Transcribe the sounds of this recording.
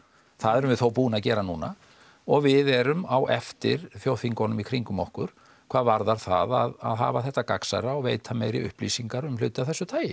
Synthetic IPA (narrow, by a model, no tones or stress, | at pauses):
θaðɛɾʏmvɪθowpuːnacɛːɾanuːna | ɔɣvɪðɛɾʏmawʔɛft̪ɪ̰ɾ̥θjowθiŋkɔnʏmikʰɾiŋkʏmɔhkʏɾ̥ | kʰvaːðvaɾðaɾ̥θa̰ðaða̰ðɦa̰ːvaθɛht̪ːakaksa̰ɾaɔɣveːjt̪ʰamɛjɾɪ̰ʏ̰hplḭsiŋkaɾʏmlʏ̰ːt̪ɪawθɛsːʏt̪ʰaːjɪ